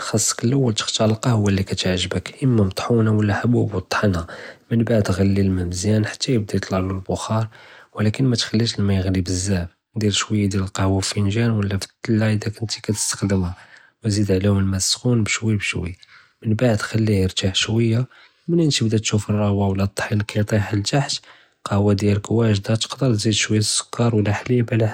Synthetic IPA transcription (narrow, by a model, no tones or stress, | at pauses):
xɑsˤːə̥kəlʔəwːəlt̪ə̥xt̪ɑlqɑhʊwːælːikæt̪əʕʒbəkʔəmːæmt̪ˤħunawəlːæħbubwət̪ˤːħnæmənbaʕd̪ɣælːilmæmzjænħḁt̪ːæjəb̚d̪ijt̪ˤlɑʕləlbʊxɑɾˤwəlækənmæt̪xælːiʃlmæjəɣlibəzːæb | d̪ilʃwəjːad̪jæləlqɑhwæfinʒænwəlːæft̪ˤːlːaəd̪ækʊnt̪i̥kæt̪ə̥st̪ə̥xd̪əmhæ | wzid̪ʕlihʊmlmæsːxunbəʃwəjbʃwə̰j | mənbaʕd̪xælːihɾt̪aħʃwəjːa | mənənt̪ibd̪æt̪ʃufərˤːɑɣwawlːæt̪ˤːħilkit̪ˤiħəlt̪aħt̪ | qɑhwæd̪jælkwæʒd̪æt̪ə̥qd̪əɾˤt̪zid̪ʃwəjːasːʊ̥kːɑɾˤwəlːæħlibʕlæ